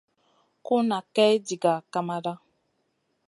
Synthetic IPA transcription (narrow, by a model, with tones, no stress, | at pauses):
ku˦na˨kɛ˦d͡ʒi˨ɡa˨ka˦ma˦ɾa˦